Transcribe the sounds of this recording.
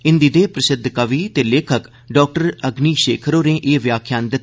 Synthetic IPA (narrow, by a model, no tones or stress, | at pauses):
ɪnd̪iːd̪eːpɾəsɪd̪ʱkəʋiːt̪eːleːkʰək | ɖɔːk̚ʈəɾəɡniːʃeːkʰɾoːnẽːʔeːʋjaːkʰjaːnd̪ɪt̪ː